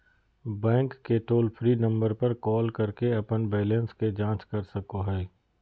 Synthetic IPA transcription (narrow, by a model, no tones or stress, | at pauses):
bɛ̃ːŋkːeʈoːlpʰɾinɐ̃mbəɾpɐɾkɔːlkɐɾkeɐpənbeːlə̃nsked͡ʒãːt͡ʃkɐɾsɐkoɦɛː